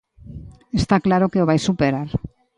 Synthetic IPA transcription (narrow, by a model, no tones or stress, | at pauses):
e̞st̪aklaɾo̞keoβajsupeɾaɾ